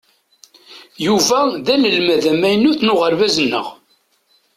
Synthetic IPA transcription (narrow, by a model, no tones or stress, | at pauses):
juvæðæləlmæðæmæjənːuθnʊʁəɾvæzənːə̰ʁ